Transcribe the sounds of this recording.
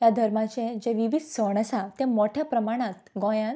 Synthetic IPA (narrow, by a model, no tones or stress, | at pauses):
jad̪ʱəɾmat͡ɕẽd͡ʑeʋiʋid̪ʱsəɳ̃əsat̪emoʈʰjapɾəmaɽ̃at̪ɡɔ̃jãn